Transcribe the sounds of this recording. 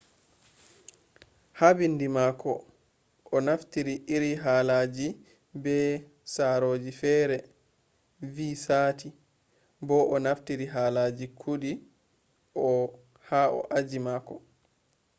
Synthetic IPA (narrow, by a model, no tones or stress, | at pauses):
habindimaːkɔ | ʔɔnaftiɾiʔiɾiɦalad͡ʒi | bɛ | saːɾoːd͡ʒifɛːɾɛ | viːsaːtʰi | bɔʔɔnaftiɾiɦaːlaːd͡ʒikʰuɗi | ʔɔ | haʔɔ̰ʔad͡ʒimaːkɔ